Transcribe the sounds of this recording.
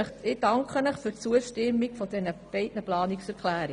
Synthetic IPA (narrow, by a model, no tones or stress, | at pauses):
əχɪd̥ɑŋkχənəχført͡suəʃtɪmːiɡfɔd̥ɛnəb̥ɛɪtnəplɑːniksɛɾkχlæːɾi